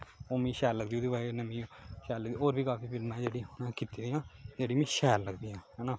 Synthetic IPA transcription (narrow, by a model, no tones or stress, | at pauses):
oːmĩːʃɛːlləɡd̪iuːd̪iːbaːenəmĩːõːʃɛːlːəɡd̪ioːɾbiːkaːpʰiːpʰɪlmãːd͡ʒeːɽiːonãːkit̪iːd̪iːãːd͡ʒeːɽiːmĩːʃɛːlːəɡd̪iːãːɦɛːnaː